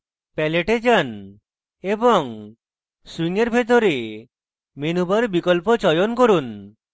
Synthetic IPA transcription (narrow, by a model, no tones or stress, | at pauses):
pɛleʈed͡ʒan | ebɔŋ | swiŋeɾbʱet̪̬ɔɾe | menubaɾbikɔlpɔt͡ʃɔjɔnkoɾun